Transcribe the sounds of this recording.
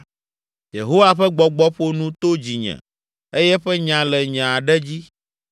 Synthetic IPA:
jḛ˨ɦo˦wa˨ɸɛ˦ɡ͡bɔ˨ɡ͡bɔ˦ɸo˦nũ˦t̪o˦d͡ʑi˨ɲɛ̰̃˨ | e˦jɛ˦ɸɛ˦ɲã˨lɛ˨ɲã˨a˨ɖɛ˦d͡ʑi˦

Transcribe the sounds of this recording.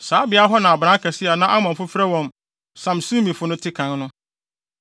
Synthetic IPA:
saː˨˦bɪ˨a˦ɦɔ˦nã˨a˨bɾã˦kʰa˨sɪ˦a˨nã˦ʔa˦mã˨m˨fʊ˦fɾɛ˦wɔ̃˨m | sã˨msũ˦mĩ˨fʊ˦nʊ̃˦tʰɪ˦kʰã˨nnʊ̃˦

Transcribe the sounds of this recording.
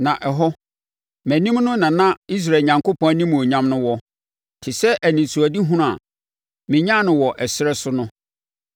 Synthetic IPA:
nã˨ʔɛ˨ɦɔ˦ | mæ̃˨nĩ˦mnʊ̃˦nã˨nã˦i˦s̬ɾa˨ɲã˨ŋko˦pɔ̃˦æ˦nĩ˦m˨o˨ɲã˦mnʊ̃˦wɔ˦ | tʰɪ˨sɛ˦ʔæ˨nĩ˨sʰu˨æ˨di˦ɦũ˦ɾũ˦˨a̰˨ | mɪ̃˨ɲã˦nʊ̃˨wɔ˨ʔɛ˨sɪ˦ɾɛ˦sʊ˦nʊ̃˦

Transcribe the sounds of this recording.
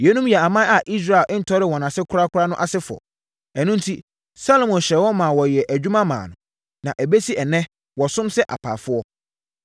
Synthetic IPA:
jɛ˨˦nũ˦mjɛ˨a˨mã˦a˨ʔi˦s̬ɾa˦˨e˨lʔɪ̃˦n̩˨tʰɔ˦ɾɪ˦wɔ̃˨nã˨sɪ˦kʰʊ˦ɾa˦kʰʊ˦ɾa˦nʊ̃˦ʔa˨sɪ˦fʊ˨ɔ̰˨ | æ˨nũ˦n˦tʰi˦ | sa˦lo˨mɔ̃˨n˨ɕɛ˨˦wɔ˦mãː˨wɔ˨jɛ˨ʔæ˨d͡ʑᶣu˦mã˦mã̰ː˨nʊ̃˨ | nã˨ʔæ˨be˦si˦ɛ˨nɛ̃˦ | wɔ˨sʊ̃˦msɛ˦ʔa̰˨pʰa̰ː˨fʊ˦ɔ˦

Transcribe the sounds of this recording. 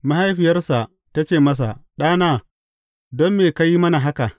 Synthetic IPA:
ma˦ɦa˦jɸɪ˨jɐ˦rsa˨ʔ | ta˦t͡ʃeː˨mɐ˦s̬a̰˨ɗaː˦naː˦ | dɔ˦mːeː˨ka˦ji˦mɐ˦na˨ɦa˦ka˨ʔ

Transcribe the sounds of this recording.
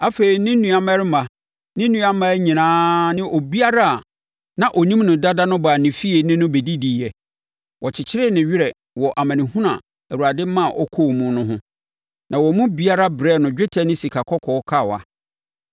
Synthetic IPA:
a˦fe˨ɾi˨nɪ̃˦nũ˦a˨mã˦ɾɪ˦ma˨ | nɪ̃˦nũ˦a˦mã˦ɲĩ˨nãː˦nɪ̃˦ʔɔ˨bi˦a˦ɾa˦a˨ | nã˨ʔɔ˨nĩ˦mnʊ̃˨da˦da˦nʊ̃˦ba˨nɪ̃˨fi˦e˨nɪ̃˦nʊ̃˦be˨di˦di˨jɛ˨ | wʔɔ˨t͡ɕʰɪ˨t͡ɕʰɪ˦ɾɪ˦˨nɪ̃˨ɥɪ˦ɾɛ˨ | wɔ˨ʔa˨mã˨nɪ̃˨hũ˦nã˨ | ɛ˨wu˨a˨dɪ˦mã˦˨ʔɔ˦kʰo˦˨mũ˦nʊ̃˦ɦʊ̃˦ | nã˨wɔ˨mʊ̃˦bi˦a˦ɾa˦bɾɛ˦˨nʊ̃˨d͡ʑᶣɪ˦tʰɛ˦nɪ̃˦si˨kʰa˨kʰɔ˦kʰɔː˨˦kʰa˦˨wa̰˨

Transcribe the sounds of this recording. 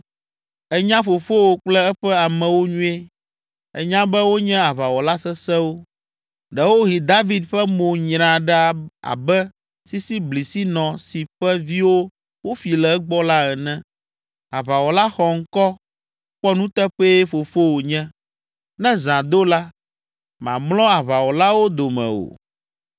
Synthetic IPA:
ɛ˦ɲã˦fo˨fo˦wo˨k͡plɛ˦ɛ˦ɸɛ˦a˨mɛ̃˨wo˦ɲũ˦e˦ | ɛ̰˨ɲã˦bɛ˦wo˦ɲɛ̃˦a˨βa˨wɔ˨la˦sɛ˦sɛ̃˦wo˦ | ɖɛ˦wo˦ɦi˨d̪a˦vi˦d̪ɸɛ˦mõ˨ɲɾ̃ã˨ɖɛ˦a˨a̰˨bɛ˦ | si˦si˦bli˨si˦nɔ̃˨si˨ɸɛ˦vi˦wo˦ | wo˦fi˨lɛ˨˦ɡ͡bɔ˦la˦ɛ˨nɛ̃˦ | a˨βa˨wɔ˨la˦xɔ˨ŋ̩˦kɔ˦ | k͡pɔ˦nũ˦t̪ɛ˦ɸɛ˦e˦fo˨fo˦wo˨ɲɛ̃˦ | nɛ̃˦zã˨d̪o˦la˦ | mã̰˨mlɔ̃˦a˨βa˨wɔ˨la˦wo˦d̪o˨mɛ̰̃˨o̰˨

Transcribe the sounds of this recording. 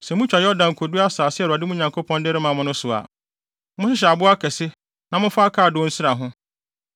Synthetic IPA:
sɛ˨mʊ̃˦t͡ɕᶣa˨jɔ˦dã˨ŋ̩˨kʰo˨du˦a˦saː˨sɪ˦ɛ˨ɾʊ˨a˨dɪ˦mʊ̃˦ɲã˨ŋkʰo˦pʰɔ̃˦ndɪ˦ɾɪ˦mã˨mʊ̃˦nʊ̃˦sʊ˨a̰˨ | mʊ̃˦ɕɪ˦ɕ̬ɛ˨a˨bʊ˦a˦kʰɛ˨sɪ˦ | nã˨mʊ̃˦fa˦kʰaː˦˨dʊ̃˦n̩˦sɪ˦ɾa˨ɦʊ̃˦

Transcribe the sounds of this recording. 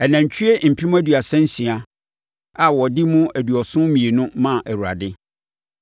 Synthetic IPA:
ɛ˨nã˨ɲ˨t͡ɕʰy˦e˦m̩˨pʰi˦mũ˦æ˦dɥa˨sɛ̃˦n̩˦sĩ˨a˨ | a˨wɔ˨di˦mʊ̃˦æ˨du˨ɔ˨sʊ̃˦mĩ˨e˨nʊ̃˦mã˦˨ʔæ˨wu˨ɾa̰˨dɪ˦

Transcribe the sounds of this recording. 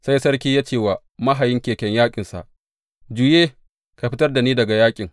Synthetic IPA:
sa˦jsɐ˦rk̬ʲiː˦jaː˦t͡ʃeː˦˨waː˨ | ma˦ɦa˨jɪ˦ŋkʲeː˨kʲɐ˦ɲjaː˦kʲʼɪ˨nsa̰˨ʔ | d͡ʒuː˦jeː˦ | ka˨ɸɪ˦tɐ˦rda˨niː˦dɐ˨ɡa˨jaː˦kʲʼɪ˨ŋ

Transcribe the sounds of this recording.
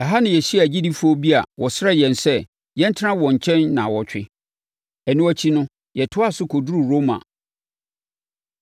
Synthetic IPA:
ɛ˨ɦa˦nɪ̃˨jɛ˨ɕi˦a˨d͡ʑi˦di˦fʊ˦o˦bi˦a̰˨wʔɔ˨sɾɛ˦jɛ̃˨nsɛ˦ | jɛ˦n̩˦tʰɪ˦ã˦wɔ̃˨ɲ̩˨t͡ɕʰɛ̃˦nːã̰˨wɔ˨t͡ɕᶣɪ̰˦ | ɛ˨nʊ̃˦æ˦t͡ɕʰi˦nʊ̃˦ | jɛ˨tʰʊ˦a˦sʊ˦kʰo˨du˦ɾu˨ɾo˦mã̰˨

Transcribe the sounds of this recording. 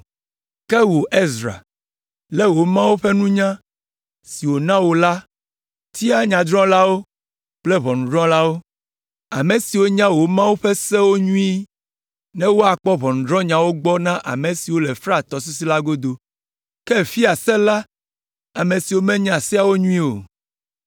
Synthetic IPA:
kɛ˦wo˨ʔe˦zɾa̰˨ | lɛ˦wo˨mã˦wo˦ɸɛ˦nũ˦ɲã˦ | si˨wo˨nã˦wo˨la˦ | t̪ʰi˦a˦ɲã˨d̪ɾɔ̃˦la˦wo˦ | k͡plɛ˦βɔ˨nũ˨d̪ɾɔ̃˦la˦wo˦ | a̰˨mẽ˨si˨wo˦ɲã˦wo˦mã˦wo˦ɸɛ˦sɛ˦wo˦ɲũ˦i˦ | nɛ̃˦wo˦a˨k͡pɔ˦βɔ˨nũ˨dɾɔ̃˦ɲã˨wo˦ɡ͡bɔ˦nã˦ʔa̰˨mɛ̃˨si˨wo˦lɛ˨fɾa˦˨t̪ɔ˨s̬u˦si˦la˦ɡo˦d̪o˨ | kɛ˦˨fi˦a˨sɛ˦la˦ | a˨mẽ˨si˨wo˦mɛ̃˦ɲã˦˨si˦a˨wo˦ɲũ˦ĩ˦o̰˨

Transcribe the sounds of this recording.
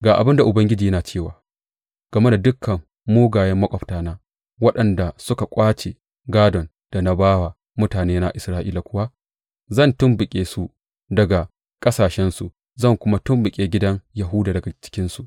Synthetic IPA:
ɡaː˨ʔa˨bɪ˦nda˨ʔʊ˨bɐ˦ŋɡʲɪ˦d͡ʒiː˨jɐ˦naː˨t͡ʃeː˦˨waː˨ | ɡ̥ɐ˨me˦na˨dʊ˦kʰːɐ˨mː | oː˦ɡaː˨jɛ˦mːɐ˦kʷʼɔ˨ɸtaː˨naː˦ | wɐ˦ɗɐ˨nda˨sʊ˦ka˨kʷʼaː˦t͡ʃe˨ | ɡaː˦dɔ˨n | d̥a˨na˦baː˦wa˨ | mʊ˦taː˨neː˦na˦ʔɪ˨sɾaː˦ʔiː˦la˨kʷʊ˦wa˦ | zɐ˦˨ntʊ˦mbɪ˨kʲʼeː˨su˨ | dɐ˨ɡa˨ | kʼɐ˦saː˨ʃɛ˦nsu˨ | zɐ˦˨ŋkʷʊ˦ma˦tʊ˦mbɪ˨kʲʼeː˨ɡʲɪ˦dɐ˦ŋjɐ˨ɦʊ˦daː˨dɐ˨ɡa˨t͡ʃɪ̥˦kʲɪ˦nsu˨ʔ

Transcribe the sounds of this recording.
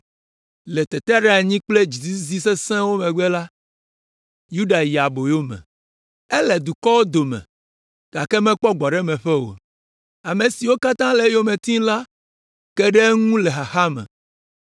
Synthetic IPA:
le˨t̪ɛ˨t̪ɛ˦ɖe˦a˨ɲĩ˦k͡ple˦d͡ʑi˨zi˦zi˦se˦sɛ̃˦wo˦mɛ̃˨ɡ͡bɛ˦la˦ | ju˦ɖa˨ji˨a˨bo˨jo˦mɛ̰̃˨ | ɛ˦lɛ˨d̪u˨kɔ˦wo˦d̪o˨mɛ̰̃˨ | ɡ̥a˨kɛ˦mɛ̃˦k͡pɔ˦ɡ͡bɔ˨ɖɛ˦mɛ̃˨ɸɛ˦wo̰˨ | a˨me˨si˨wo˦ka˦t̪ã˦lɛ˦jo˦mẽ˨t̪ĩ˦la˦ | kɛ˦ɖe˦ŋũ˦le˨ɦa˨xa˦mɛ̰̃˨

